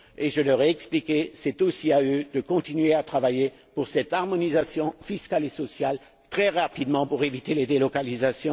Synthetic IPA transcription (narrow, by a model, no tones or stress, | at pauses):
eʒəlœʁɛɛksplikʲesɛt̪osiaød̪əkɔ̃t̪inɥeat̪χavaje | puʁsɛt̪aʁmɔnizasjɔ̃fiskalesɔsjal | t̪χɛʁapid̪mɑ̃puʁevit̪eled̪elɔkalizasjɔ̃